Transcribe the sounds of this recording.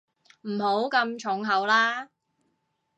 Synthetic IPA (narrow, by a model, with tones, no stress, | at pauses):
m̩˨˩ho˨˥wkɐ˧mt͡ʃʰʊ˨˥ŋɦɐ˨˧wlaː˥